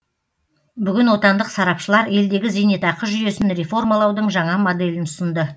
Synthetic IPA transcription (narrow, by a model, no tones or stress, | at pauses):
bʏɡʲɪnwo̞t̪ɑnd̪əqsɑɾɑpʃəlˠɑɾe̞ld̪e̞ɡʲɪzenet̪ɑqəʒʏje̞sɪnɾe̞fo̞rmalˠɑwd̪əɴʒɑɴɑmod̪e̞lɪnʊsənd̪ə